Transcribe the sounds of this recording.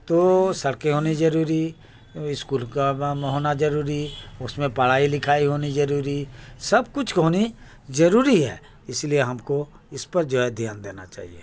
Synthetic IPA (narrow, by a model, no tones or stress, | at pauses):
t̪oːsɐɽkeɦoːnizɐɾuːɾi | ɪskuːlkaɦoːnad͡ʒɐɾuːɾiʊsmẽpɐɽ̤aːilɪkʰaːiɦoːnizɐɾuːɾisɐb̚kʊt͡ʃʰɦoːni | zɐɾuːɾiɦɛ̰ː | ɪslieɦɐmko | ɪspɐɾd͡ʒoɛd̪ʱijaːnd̪eːna̰t͡ʃa̰ːɦḭḛː